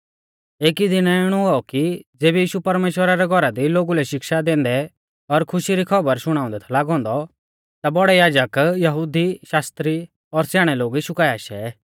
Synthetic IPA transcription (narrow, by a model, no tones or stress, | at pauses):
eːkid̪ɪnɛɪɽ̃ũɦɔkid͡zeːbɛjiːʃupɐɾmeːʃwəɾaɾɛɡʱɔɾad̪iloːɡulɛʃɪkʃad̪ẽːn̆d̪ɛ | ɔɾkʰʊʃiɾikʰɐbəɾʃʊɽ̃ãːʊ̃nd̪ɛt̪ʰɛlaːɡɦɔ̃ːnd̪ɔ | t̪abɔɽɛjaːd͡ʒəkjɐɦuːd̪iʃaːst̪ɾi | ɔɾsjaːɽ̃ɛloːɡiʃʊkaːjaʃɛ